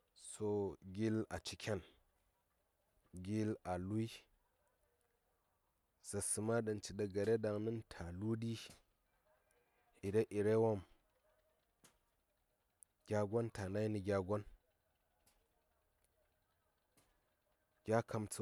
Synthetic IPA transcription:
so˦ɡʲi˦la̰˨t͡ʃi˦kʰʲe˦n | ɡʲi˦la˨lu˦i˦ | sa˨sɨ˨ma˦ɗə˨nt͡ʃi˨ɗa˨ɡa˨ɾe˦da˨ŋni˦ntʰa˨lu˦di˦ | i˨ɾe˦ʔi˨ɾe˦wo˦m | ɡʲa˦ɡʷo˦nta˨na˦i˦ni˨ɡʲa˨ɡʷo˦n | ɡʲa˦kʰa˨mt͡su˦

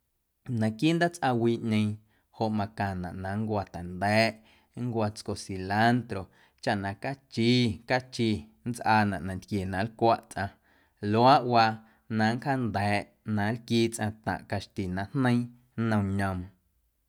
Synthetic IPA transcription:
nã˨kiː˦nd̪a˦t͡sʔa˧wiː˧ʔɲẽ˧j̃ | ho˧˨ʔmã˧kã˨nã̰˨ʔnã˨˦ŋkʷa˧t̪ɛ˨nd̪ɛː˨˦ʔ | ŋ˦kʷa˧t͡sko˨si˨la˦nt̪ɾo˨ | t͡ʃa˧ʔnã˨ka˦t͡ʃiː˦ka˦t͡ʃi˧nt͡sʔaː˧nã˨ʔnã˨nt̪kje˨nã˨˦lkʷa˦ʔt͡sʔã˧ | lo˦a˦ʔwa˧ | nã˧ŋ˦kha˦nd̪ɛː˨˦ʔ | nã˨˦lkiː˦t͡sʔã˧t̪ã̰˨ʔka˧ʃt̪i˨nã˨hnə̃˦ĩ˦ | nə̃˧ɲə̃˧m

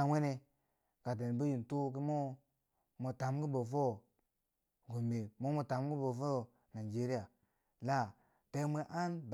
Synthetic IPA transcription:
a˨we˦ne˧ | ka˨t̬e˨n˨bu˦ji˨n˨tu˦ki˦mo˦ | mo˨ta˨˦mɡi˦bo˨fo˦˨ | ɡu˨mbe˨mo˦mo˨ta˨˦mɡi˦bo˨fo˦˨ | na˨d͡ʒe˦ɾi˦ja˨ | la˦ | te˦me˦ʔa˦nb

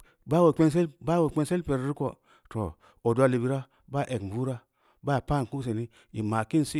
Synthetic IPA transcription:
ba˦wo˨k͡pe˦ns̬e˦lba˦wo˨ke˦nse˦lpe˨ɾɾi˦ko˨ | to˨ | o˨du˦a˦li˨bi˨ɾa˦ | ba˦˨ʔe˨kbu˦ɾa˦ | ba˦˨pa˦˨ku˦s̬e˨ni˦ | i˨ma˨ki˦nsi˦

